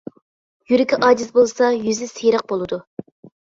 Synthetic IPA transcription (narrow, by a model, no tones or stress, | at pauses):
jyɾɪkʲʰiʔɑːd͡ʒ̪isbolˠsɑjyzɪsejɾəq̚bolˠɨd̪u